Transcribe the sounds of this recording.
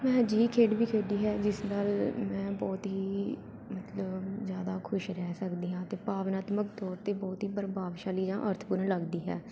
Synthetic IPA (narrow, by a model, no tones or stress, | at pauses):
mɛ̃ːd͡ʒiːkʰeːɖbiːkʰeːɖiːɦɛːd͡ʒɪsnaːlmɛ̃ːbɔːt̪ɦiː | mət̪ləbzjaːd̪aːkʰʊʃɾɛːsəkd̪iːɦãːt̪eːpaːʋnaːt̪məkt̪ɔːɾt̪eːbɔːt̪ɦiːbəɾbaːʋʃaːliːd͡ʒãːʔəɾt̪ʰpʊɾləɡd̪iːɦɛː